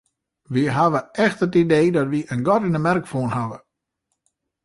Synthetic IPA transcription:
ʋiɦaʋəʔɛxtətideːdɔtʋiʔənɡɔtinəmɛrkfuənhaʋə

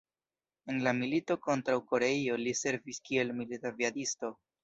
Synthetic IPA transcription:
e̞nlamilito̞ko̞ntɾawko̞ɾe̞io̞lise̞ɾviskie̞lmilitaviadisto̞

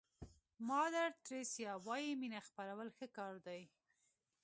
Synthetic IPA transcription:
mɑd̪aɾt̪ɾesjɑwɑjiminaxpaɾawəlxəkɑɾd̪aj

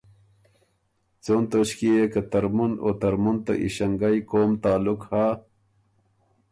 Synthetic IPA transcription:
t͡soːnt̪ot͡ɕkiekɐt̪ɐɾmuno̰t̪ɐɾmunt̪a̰ʔḭɕɐŋɡajkoːmt̪aːlukhaː

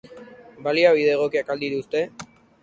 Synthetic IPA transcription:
baliaβiðeːɣ̞o̞kiakald̪it̪ust̪e̞

